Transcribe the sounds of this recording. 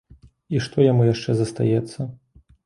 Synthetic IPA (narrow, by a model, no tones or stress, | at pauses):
iʂt̪ɔjamujaʂt͡ʂɛzɐst̪a̰jɛt̪sːɐ